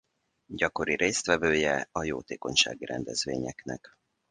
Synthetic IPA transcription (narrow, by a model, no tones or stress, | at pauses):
ɟɒko̞ɾiɾeːst̪ʋɛvøːjɛɒjo̰ːt̪eːko̞ɲʃa̰ːɡiɾɛnd̪ɛzʋḛːɲɛknɛk